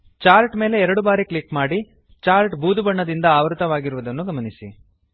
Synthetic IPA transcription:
t͡ʃaːɾʈme̞ːle̞ɛɾɐɽubaːɾikɭikmaːɽi | t͡ʃaːɾʈbuːd̪ubɐɳːɐd̪ind̪ɐaːʋɾut̪ɐʋaːɡiɾuʋud̪ɐnːuɡɐmɐnisi

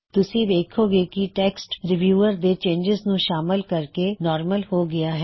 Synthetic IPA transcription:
t̪ʊsiʋ̪eːkʰoɡekiʈeːksʈɾɪʋjuːəɾd̪et͡ʃẽːɲd͡ʒɪznũʃaːmɪlkɐɾkenɔːɾməlhoɡɐjaɦɛː

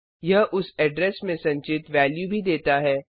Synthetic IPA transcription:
jɐɦʔʊsɛɖɾɛsmẽsɐ̃ɲt͡ʃɪt̪ʋɛːljubʱid̪eːt̪aɦɛː

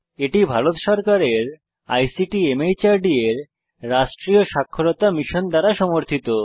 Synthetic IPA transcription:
eʈibʱaɾot̪ʃɔɾkaɾeɾ | a̰jsiʈiemejt͡ɕaɾɖieɾː | aʃʈɾioʃakʰːoɾot̪amiʃond̪aɾaʃɔmoɾt̪ʰit̪o

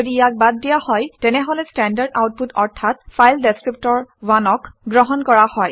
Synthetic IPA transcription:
odijak̚bad̚ːijahɔjtɛnɛɦolɛstɛndaɹda̰wt̚putɔɹtʰat̚fʰajldɛstɹip̚tɔɹwanɔkɡɹɔɦɔnkɔɹahɔj

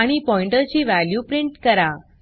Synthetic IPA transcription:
aɽ̃ipɔiɳʈət͡ɕiːʋæljupɾiɳʈkəɾa

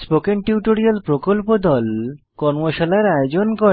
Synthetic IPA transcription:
spokeŋʈiuʈoɾialpɾokolpod̪ɔl | kɔɾmoʃalaɾajod͡ʑonko

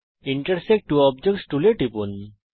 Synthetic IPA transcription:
iɳʈəɾsek̚ʈ̚ʈːuɔbd͡ʒek̚ʈsʈuleʈipun

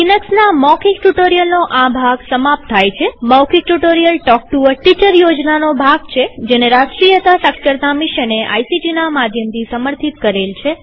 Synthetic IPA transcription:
kinəksnamɔkʰikʈuʈoɾijəlnoʔãbʱaɡsəmap̚t̪ʰːajt͡ʃʰemɔwkʰik̚ʈuʈoɾijəlʈɔk̚ʈuʋəɾʈit͡ʃəɾjod͡ʒnanobʱaɡt͡ʃʰed͡ʒeneɾaʃʈɾijət̪asəkkəɾt̪amiʃəneʔa̰jsid͡ʒinamad̪ʱjəmt̪ʰisəməɾt̪ʰit̪kəɾelt͡ʃʰe

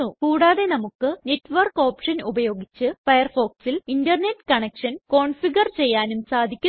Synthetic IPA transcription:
ukuːɽaːðe̞nɐmukːɨne̞tːʋɐrko̞ːpʂɐnubɐjo̞ːɡit͡ɕːɨfɐjɐrfo̞ːksilindɐrne̞tːkɐɳekʂɐnko̞ːɳfiɡɐrt͡ɕe̞jːaːnumsaːd̪ʱikʲːu

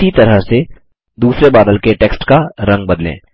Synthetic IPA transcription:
it̪ɐɾəɦse | d̪uːsɾebaːd̪əlkeʈeːksʈkaɾɐ̃ŋɡ̚bɐd̪lḛ̃ː

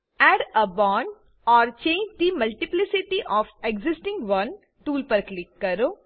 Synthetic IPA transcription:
ɛːɖəbɔ̃ːɳɖ | ɔːɾt͡ʃẽːɲd͡ʒd̪imɐlʈiplɪsɪʈiʔɔːfeɡzɪsʈɪ̃ŋɡʋɐ̃n | ʈuːlpəɾklɪkːɐɾoː

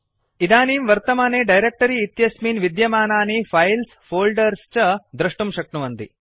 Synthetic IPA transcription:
id̪aːniːmʋɐɾt̪ɐmaːneːɖɐjɾek̚ʈɐɾiːt̪jɐsmiːnʋid̪jɐmaːnaːnifʰɐjlsfoːlɖɐɾst͡ʃɐd̪ɾɐʂʈumʃɐk̚nuʋɐnd̪ḭ

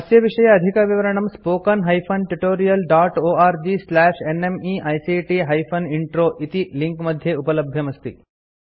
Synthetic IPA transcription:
ɐsjɐʋiʂɐjɐːd̪ʱikɐʋiʋɐɾɐɳɐmspoːkɐnɦɐjpʰɐnʈuʈoːɾijɐlɖaːʈoːaːɾd͡ʒislæːʂenemiʔɐjsiʈiɦɐjpʰɐniɳʈɾoːʔit̪iliŋkmɐd̪ʱjeupɐlɐbʱjɐmɐst̪ḭ

